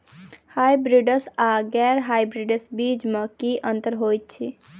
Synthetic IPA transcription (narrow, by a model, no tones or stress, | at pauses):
hajbɾiɖəsaɡɛɾɦajbɾiɖəsbid͡ʒmekiʔənt̪əɾɦojt̪̚t͡ʃʰi